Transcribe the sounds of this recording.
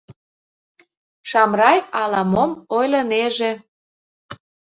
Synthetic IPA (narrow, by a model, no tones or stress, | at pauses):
ʃɑmrɑjɑlɑmomojlɤneʒe